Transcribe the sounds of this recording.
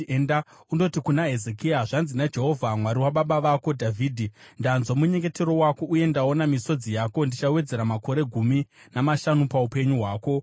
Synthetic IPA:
enda | undo̞tikunaɦe̞zekijaʐanzinad͡ʒe̞ɦo̞vʱamwaɾiwaɓaɓaʋako̞dʱavʱiːdʱindanzomuɲe̞ŋɡe̞te̞ɾo̞wako̞ʔuje̞ndao̞namiso̞d͡zijako̞ndit͡ʃawe̞d͡ze̞ɾamako̞ɾe̞ɡʱumi | namaʃanupaupe̞ɲuɦwaːko̞

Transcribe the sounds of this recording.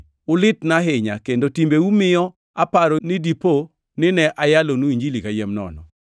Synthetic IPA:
ʊlɪtnaɦɪɲakendotimbewumɪjɔ | apaɾonɪdipo | nɪnɛʔajalonuiɲd͡ʒilikajɛmnɔ̰nɔ̰

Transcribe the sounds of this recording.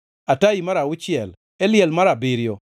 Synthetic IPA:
atajimaɾaʊt͡ʃiɛl | ɛlɪɛlmaɾabɪɾjɔ

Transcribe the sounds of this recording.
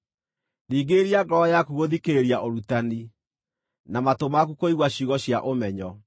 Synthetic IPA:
niːɡeːɾiaɡɔɔjakuɣoðikeɾiaʔoɾutani | namatomakukoiɣwaɕiɣɔɕjaʔomɛɲɔ

